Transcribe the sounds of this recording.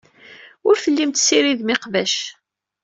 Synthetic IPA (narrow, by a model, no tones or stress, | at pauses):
ʊɾfəlːimt̪siɾiðmɪqvæʃ